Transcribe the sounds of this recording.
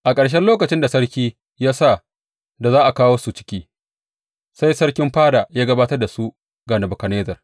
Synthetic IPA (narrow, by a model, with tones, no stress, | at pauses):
ʔa˨kʼɐ˨ɽʃ̬ɛ˦nloː˦kɐ˨t͡ʃɪ˦nda˨sɐ˦ɽkʲiː˦ | jaː˦sa˦˨ | da˨zaː˦ʔa˨kaː˦woː˦su˨t͡ʃɪ̥˦kʲiː˦ | sa˦jsɐ˦ɽkʲɪ˦mɸaː˦da˨jaː˦ɡɐ˦baː˦tɐ˦rda˨su˦ | ɡaː˨nɐ˨bʊ˨kɐ˨neː˦zɐ˨r